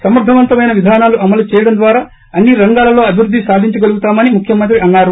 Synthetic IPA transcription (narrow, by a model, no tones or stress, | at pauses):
sɐmɐɾd̪ʱɐʋɐnt̪ɐmɐjnɐʋid̪ʱaːnaːluʔɐmɐlut͡ʃɛːjɐɽɐmnd̪ʋaːɾaː | ɐnːiɾɐŋɡaːlɐlo̞ːɐbʱiɾud̪ʱːisaːd̪ʱiɲt͡ʃɐɡɐluɡut̪aːmɐnimukʰjɐmɐnt̪ɾiɐnːaːɾu